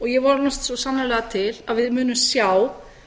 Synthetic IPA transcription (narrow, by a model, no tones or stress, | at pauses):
ɔɣjɛvɔɾnɔst̪sɔsanːalɛɣat̪ʰɪlaðvɪðmʏːnʏmsjaw